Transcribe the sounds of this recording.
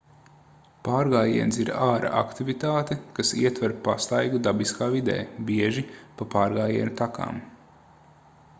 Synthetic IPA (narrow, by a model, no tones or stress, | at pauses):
paːɾɡaːjiɛnsiɾaːɾʔa̰ʔa̰kt̪ivit̪aːt̪ɛkasiɛt̪vɛɾpast̪ajɡud̪abiskaːvid̪ɛ̰ːbiɛʒipapaːɾɡaːjiɛnʲut̪aka̰ːm